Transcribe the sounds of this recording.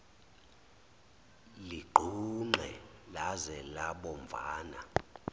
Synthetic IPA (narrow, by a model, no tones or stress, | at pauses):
liɡ͡ǃʱuŋ͡ǃɛlazɛlaɓɔmb̪vʱa̰ːna̰